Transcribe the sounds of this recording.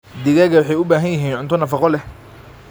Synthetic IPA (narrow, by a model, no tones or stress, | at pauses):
d̪ɪɣɐɣɐwɑħɑjʊbaːɦɐnjɪɦiːnʕʊnt̪ʰɔnɐfɑqɔlɛh